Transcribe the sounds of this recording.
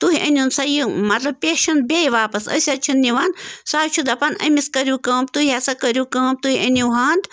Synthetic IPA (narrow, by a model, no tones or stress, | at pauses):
t̪uɦiʔɐ̰nʲjunsɐjimɐt̪lɐb̚pʲeːʃɐnt̪̚bʲejʋaːpɐsɐ̰sʲɐt͡ʃʰinːiʋɐnsaːt͡ʃʰud̪ɐpɐnɐ̰miskɐɾʲjukɐːmt̪uhiɐsɐkɐɾʲjukɐːmt̪uɦiɐnʲuwɦaːnd̪